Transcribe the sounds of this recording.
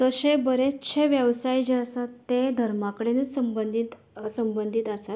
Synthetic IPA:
t̪əɕebəɾetɕʰeʋjəʋsajd͡ʑeəsat̪ːed̪ʱəɾmakəɽenesəmbənd̪ʱit̪ | səmbənd̪ʱit̪əsat̪

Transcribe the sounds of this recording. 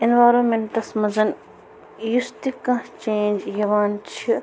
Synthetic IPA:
inʋaːɾoːnmeɳʈɐsmɐzɐn | just̪ikːɐ̃t͡ʃeːnd͡ʒjɐʋaːnt͡ʃʰi

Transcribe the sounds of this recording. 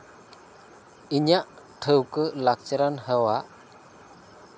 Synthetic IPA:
iɲaʔ | ʈʰəwkəlak̚t͡ʃəɾanhəwaʔ

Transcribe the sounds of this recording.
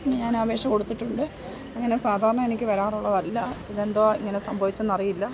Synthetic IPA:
ɲaːnaːbe̞ːɕɐmko̞ɽut̪ːiʈːuɳɖɨ | ɐŋːɐne̞saːd̪ʱaːɾɐɳɐmenikʲːɨʋɐɾaːruɭːɐðɐlːɐiðe̞nd̪oːiŋːɐne̞sɐmbʱɐʋit͡ɕːunɐrijilːɐ

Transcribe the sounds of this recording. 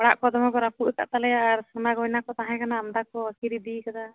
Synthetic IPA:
ɔɽa̰ʔkɔd̪ɔmaɡɔɾapuʔɛka̰ʔt̪alɛjaːɾsanaɡɔjnakɔt̪aɦãkanaːmd̪akɔakiɾid̪ikat̪a

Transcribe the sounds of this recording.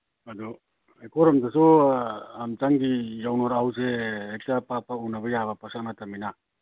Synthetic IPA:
ad̪ɔ | ɛkɔɾamt̪aso | amt̪aŋɡijawnɔɾaws̬eːtapapaunabajaβapasanat̪amina

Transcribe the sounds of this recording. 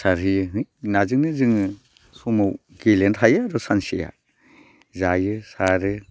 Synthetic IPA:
saɾɦɯjɯɦɯjnazɯŋnɯzɯŋɯ | sɔmaw | ɡ̥ilentʰajaːɾɔsansija̰ | zajɯsaɾɯ

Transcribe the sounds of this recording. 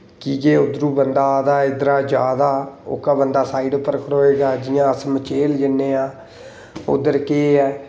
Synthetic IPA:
kiːɡeːʊd̪ɾũːbənd̪aːd̪aːɪd̪ɾaːd͡ʒaːd̪aːʊ̰kaːbənd̪aːsaːiɖpəɾkəɽɦoːeːɡaːd͡ʒɪjãːəsmət͡ʃeːld͡ʒənːeːãː | ʊ̰d̪əɾkeːɛː

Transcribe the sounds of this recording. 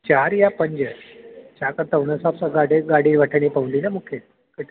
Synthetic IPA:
t͡ɕaɾjapəɲd͡ʑət͡ɕakəɾt̪aʋnəsapsaɡaɽeɡaɽiːʋaʈʰəɳipawld̪iːnamukʰe | kəʈ

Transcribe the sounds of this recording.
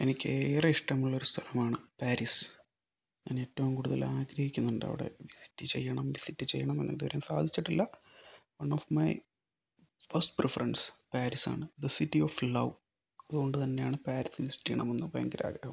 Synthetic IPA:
enikʲːeːrɐiʂʈɐmːɐɭːo̞ɾust̪ʰɐlɐmaːɳɨpaːɾis | ɲa̰ːneːtːɐʋumkuːɽuðɐ̰laːɡɾɐhikʲːunːɐuɳɖɨɐ̰ʋḭɽe̞̰ʋisi̥tːɨt͡ɕe̞jːɐɳɐmʋisitːɨt͡ɕejːɐɳɐmenːend̪uʋɐɾejːmsa̰ːd̪ʱit͡ɕːiʈːilːɐwɐnːofmɐj | fɐrsʈprefɐrɐnɖspaːɾisa̰ːɳɨd̪ɐsitːioflɐw | ɐðuɣo̞ɳɖɨt̪ɐnːe̞jaːɳɨpaːɾisɨʋisi̥tːijɐɳɐmenːɨpɐjɐŋɡiɾa̰ːɡɾɐɦum

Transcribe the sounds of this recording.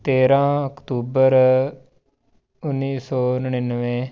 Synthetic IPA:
t̪eːɾãːəkt̪uːbəɾ | ʊnːiːsɔːnəɳ̃iːnːəʋẽː

